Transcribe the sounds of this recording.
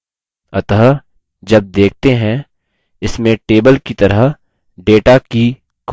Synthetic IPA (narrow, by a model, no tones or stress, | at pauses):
ɐt̪ɦ | d͡ʒɐb̚d̪eːk̚ʰt̪eɦɛ̃ | ɪsmẽʈeːbəlkit̪ɐɾəɦ | ɖeːʈaki | k